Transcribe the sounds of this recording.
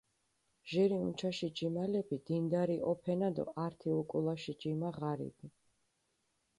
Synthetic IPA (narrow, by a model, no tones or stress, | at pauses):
ʒɛɾiunt͡ʃʰaʃid͡ʒimalɛpid̪ind̪aɾiʔɔpʰɛnad̪ɔ̰ʔaɾt̪ʰiukʼulˠaʃid͡ʒimaʁaɾḭbi